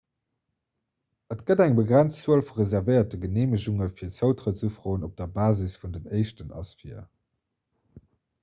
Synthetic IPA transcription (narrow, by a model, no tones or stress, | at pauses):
ətɡ̥ədæŋbəɡʁænt͡st͡suəlfuʁezæʁvəɪɐtəɡəneːməʑuŋəfiːɐt͡səʊtʁət͡səfʁoːənop̚d̥ɐbaːzisfundənɜɪʃtənɑ̰sfiɐ